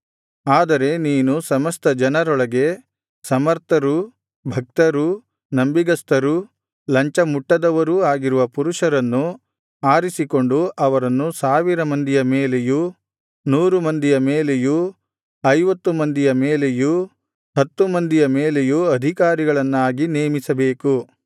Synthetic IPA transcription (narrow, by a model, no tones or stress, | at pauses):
aːd̪ɐɾe̞niːnusɐmɐst̪ɐd͡ʒɐnɐɾɔɭɐɡe̞ | sɐmɐɾt̪ʰɐɾu | bʱɐk̚t̪ɐɾu | nɐmbiɡɐst̪ɐɾu | lɐɲt͡ʃɐmuʈːɐd̪ɐʋɐɾuaːɡiɾuʋɐpuɾuʂɐɾɐnːu | aːɾisiko̞ɳɖuʔɐʋɐɾɐnːusaːʋiɾɐmɐnd̪ijɐmeːleju | nuːɾumɐnd̪ijɐmeːle̞ju | ɐjʋɐt̪ːumɐnd̪ijɐmeːle̞ju | ɦɐt̪ːumɐnd̪ijɐmeːlejuɐd̪ʱikaːɾiɡɐɭɐnːaːɡineːmisɐbe̞ːku